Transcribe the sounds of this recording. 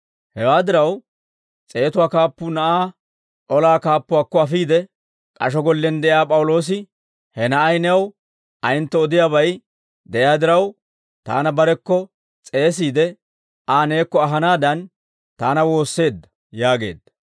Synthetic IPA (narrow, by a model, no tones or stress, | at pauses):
hɛwaːd̪ɪɾɐw | t͡sʼe̞ːt̪ʊwaːkaːpːʊnɐʔaː | ɔlaːkaːpːʊwaːkːɔɐfiːd̪ɛ | kʼɐʃ̬ɔɡɔlːɛnd̪ɛʔjaːpʼɐwlo̞ːs̬ɪ | hɛnɐʔɐjnɛɐw | ʔɐjɪnt̪ːɛɔd̪ɪjaːβɐj | d̪ɛʔjaːd̪ɪɾɐw | t̪a̰ːnɐbɐɾɛkːɔ | t͡sʼe̞ːs̬iːd̪ɛ | aːne̞ːkːɔɐɦɐnaːd̪ɐn | t̪aːnɐwo̞ːsːe̞ːd̪ːɐ̥ | jaːɡe̞̰ːd̪ːɐ̥